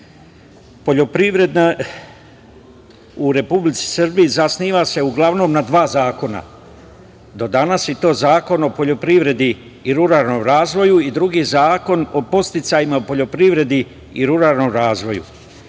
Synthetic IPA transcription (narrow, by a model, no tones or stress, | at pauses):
poʎo̞pɾiʋɾe̞d̪na | uɾe̞publit̪si̥sr̩bijizasniːʋase̞uɡlˠaʋno̞ːmnad̪ʋaːzaːko̞na̰ | d̪o̞d̪anasit̪o̞ːzaːko̞no̞po̞ʎo̞pɾiʋɾe̞d̪i | iɾuɾalno̞ːmɾaːzʋo̞juid̪ɾuɡiːzaːko̞no̞po̞st̪it̪sajimaupo̞ʎo̞pɾiʋɾe̞d̪i | iɾuɾalno̞mɾaːzʋo̞jṵ